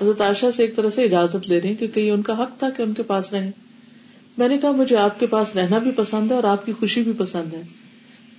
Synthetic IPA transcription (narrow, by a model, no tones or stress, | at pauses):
ɦɐzɾət̪aːʃaseːk̚t̪ɐɾəɦseɪd͡ʒaːzət̪leːɾɐɦɛ̃kjõːkejeʊnkaɦɐkt̪ʰakeʊnkepaːsɾɐɦẽː | mɛ̃ːnekɐɦamʊd͡ʒʱeaːp̚kepaːsɾɛɦnabʱipɐsə̃nd̪ʱɦɛ̃ɔːɾaːp̚kixʊʃibʱipɐsə̃nd̪ɦɛː